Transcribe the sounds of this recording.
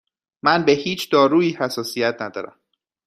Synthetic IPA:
mænbe̞hiːt͡ʃʰd̪ɒːɾuːiːhæsɒːsijæt̪̚ʰnæd̪ɒːɾæ̰m

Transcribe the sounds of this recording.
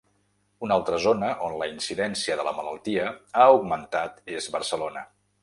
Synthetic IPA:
unalˠt̪ɾəzonəʔonləinsiðɛnsiəðələmələ̰lˠt̪iəauɡmənt̪at̪ezβəɾsəlonə

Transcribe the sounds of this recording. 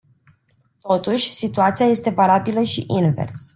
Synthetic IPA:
t̪o̞t̪uʃʲsit̪uat̪siaje̞st̪e̞valabiləʃḭʔinve̞̰rs

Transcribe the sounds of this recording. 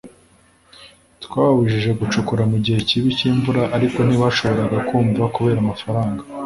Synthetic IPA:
tkwaːβaβuʒiʒe̞ɡut͡ʃukuɾamuɟihe̞ciβiciːɱvuɾaʔaɾiko̞niβaʃo̞βo̞ɾaɡakuːɱvakuβe̞ːɾamafaɾaːŋɡa

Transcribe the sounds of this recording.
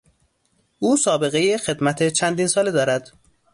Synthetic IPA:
ʔuːsɒːbe̞ɣejexe̞d̪mæt̪ʰet͡ʃʰænd̪iːnsɒːled̪ɒːɾæd̪̥

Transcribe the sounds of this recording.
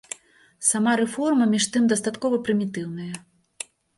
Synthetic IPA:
samaɾɛfɔrmɐmʲiʂt̪ɨmd̪ɐst̪at̪kɔvɐpɾɨmʲit̪ɨwnɐjɐ

